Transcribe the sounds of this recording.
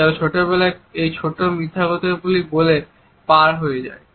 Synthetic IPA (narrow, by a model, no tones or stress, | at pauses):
abet͡ɕʰoʈobɛlaejt͡ɕʰoʈomɾit̪ʰːaɡot̪ebulibole | paɾɦojed͡ʑa̰e